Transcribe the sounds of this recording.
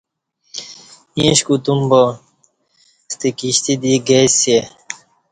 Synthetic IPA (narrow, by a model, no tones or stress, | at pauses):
ĩẽɕkut̪umbo | st̪ikiɕt̪id̪iɡese